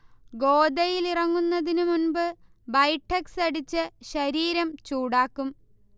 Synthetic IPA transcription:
ɡo̞ːd̪ɐjilirɐŋːunːɐðinɨmunbɨ | bɐjʈʰːɐksɐɽit͡ɕːɨɕɐɾiːɾɐmt͡ɕuːɽaːkːum

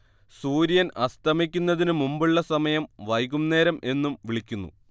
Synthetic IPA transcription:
suːɾijɐnɐst̪ʰɐmikʲːunːɐðinɨmumbuɭːɐsɐmɐjɐmʋɐjɣumne̞ːɾɐmʔe̞nːumʋiɭikʲːunːṵ

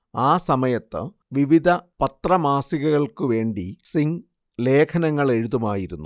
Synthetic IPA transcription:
aːsɐmɐjɐt̪ːɨ̰ | ʋiʋid̪ʱɐpɐt̪rɐmaːsiɣɐɣɐɭkɨʋe̞ːɳɖisiŋ | le̞ːkʰɐnɐŋːɐɭe̞ɻuðumaːjiɾunːu

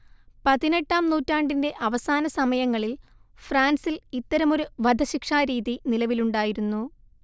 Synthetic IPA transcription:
pɐðine̞ʈːaːmnuːtːaːɳɖinde̞ʔɐʋɐsaːnɐsɐmɐjɐŋːɐɭilfraːnsilit̪ːɐɾɐmo̞ɾuʋɐd̪ʱɐɕikʂaːɾiːðinilɐʋiluɳɖaːjiɾunːu

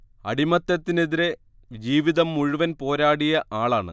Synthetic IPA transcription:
ɐ̰ɽimɐt̪ːɐt̪ːineðiɾe̞ | d͡ʑiːʋiðɐmːuɻuʋɐnpo̞ːɾaːɽijɐʔaːɭaːɳɨ̰

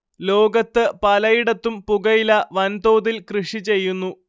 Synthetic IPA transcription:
lo̞ːɡɐt̪ːɨpɐlɐjiɽɐt̪ːumpuɡɐjilɐʋɐnt̪oːd̪ilkrɨʂit͡ɕe̞jːunːu

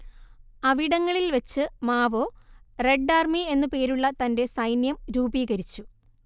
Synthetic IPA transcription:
ɐʋiɽɐŋːɐɭilʋet͡ɕːɨmaːʋoːre̞ɖːaːrmie̞nːɨpe̞ːɾuɭːɐt̪ɐnde̞sɐjnjɐmɾuːbiːɣɐɾit͡ɕːu

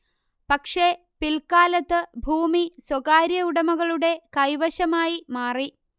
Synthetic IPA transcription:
pɐkʂe | pilkaːlɐt̪ːɨbʱuːmiswɐɣaːɾjɐuɽɐmɐɣɐɭuɽe̞kɐjʋɐɕɐmaːjimaːri

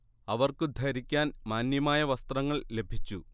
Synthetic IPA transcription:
ɐʋɐrkɨd̪ʱɐɾikʲːaːnmaːnjɐmaːjɐʋɐst̪rɐŋːɐɭle̞bʱit͡ɕːu

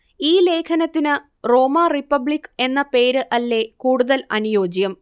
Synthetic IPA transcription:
iːle̞ːkʰɐnɐt̪ːinɨ | ro̞ːmaripːɐbɭikːe̞nːɐpe̞ːɾɨʔɐlːe̞kuːɽuðɐlɐnujo̞ːd͡ʑjɐm

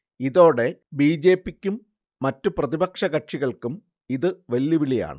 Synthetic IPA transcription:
iðo̞ːɽe̞biːd͡ʑe̞ːpːikʲːumː | ɐtːuprɐðibɐkʂɐɣɐʈʂiɣɐɭkum | iðɨʋɐljɐʋilija̰ːɳɨ̰

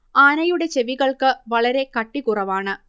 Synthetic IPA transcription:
aːnɐjuɽe̞t͡ɕeʋiɣɐɭkɨʋɐɭɐɾe̞kɐʈːikurɐʋaːɳɨ

